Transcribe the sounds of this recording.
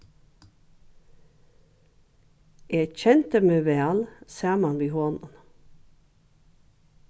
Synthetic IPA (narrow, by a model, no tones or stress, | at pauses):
eçɛnt̪əmeːʋeɑlsæːmɑnʋiːhoːnən